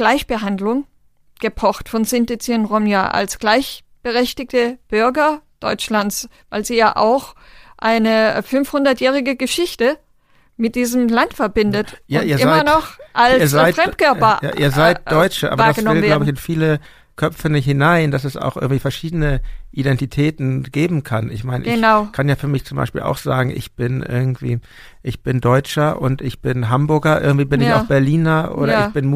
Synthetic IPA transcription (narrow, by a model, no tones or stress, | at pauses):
ɡ̥laɪçb̥əɦandlʊŋ | ɡ̥əpʰɔχtfɔnsɪntet͡siənʁɔmjaʔa̰lsɡ̥laɪç | b̥əʁɛçtɪk̚təb̥ʏɐɡɐd̥ɔʏt͡ʃlant͡svaɪlziːjaːʔa̰ʊxʔaɪnəfʏnfhʊndɐtjɛːʁ̞ɪɡəɡəʃɪçtə | mɪt̚d̥iːzəmlantfɛɐbɪndətjaiːɐɪamɐnɔxʔaliːɐzaɪtfʁɛtkʰœɐpɐja̰ːʔḭːɐzaɪt̚d̥ɔʏt͡ʃəʔa̰ːbɐdasɪllaʊbəɪçɪnfiːlə | kʰœp͡fənhɪnaɪndasɛsʔa̰ʊxʔɪ̰ɐɡŋ̩tv̥iːfɛɐʃiːdənəʔidɛntitʰɛːtn̩ɡ̥eːbm̩kʰanʔɪ̰çmaɪnə̰ʔɪnaʊkʰanjaːfyːɐmɪçt͡sʊmba̰ɪʃpḭːla̰ʊxz̥aːɡŋ̩ɪ̰çb̥ɪnʔɪ̰ɐɡŋ̩tv̥ḭː | ʔɪçb̥ɪndɔʏt͡ʃɐʔʊ̰ntʔɪçb̥ɪnɦambʊɐɡɐʔɪ̰ɐɡŋ̩tiːbɪnɪçaʊb̥ɛɐliːnɐʔo̰ːɾɐɪçb̥ɪnm